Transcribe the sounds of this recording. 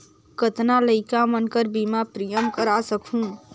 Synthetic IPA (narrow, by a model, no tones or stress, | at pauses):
kət̪naləɪkamənkəɾbimapɾijəmkəɾasəkʰũ